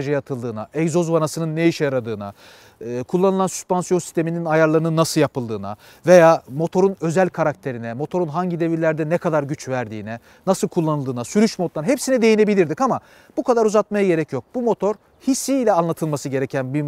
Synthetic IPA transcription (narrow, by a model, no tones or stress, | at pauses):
ʒajat̪ʰɯlˠd̪ɯːnaɛjzo̞zvanasɯnɯnːejiʃɛjaɾad̪ɯːna̰ | kʰulˠːanɯlˠansy̥spansijo̞nsi̥st̪ʰe̞mininajaɾlˠaɾɯnɯnːasɯljapɯlˠd̪ɯːna̰ | ve̞jaːmo̞t̪ʰo̞ɾunø̞zælʲkʰaɾak̚t̪ʰe̞ɾinɛmo̞t̪ʰo̞ɾunɦaɲɟid̪e̞viɾlʲæɾd̪ɛnɛkʰad̪aɾɟyt͡ʃvæɾd̪ḭːnɛ | nasɯlˠkʰulˠːanɯlˠd̪ɯːnasyɾyʃmo̞t̪lˠaɾɦepsinid̪e̞jine̞bilʲiɾd̪ikama | b̥ukʰad̪aɾuzat̪majaɟe̞ɾɛcjo̞k̚b̥umo̞t̪ʰo̞ɾ | hisːiːlʲɛanlˠat̪ʰɯlˠmasɯɟe̞ɾecʰænbi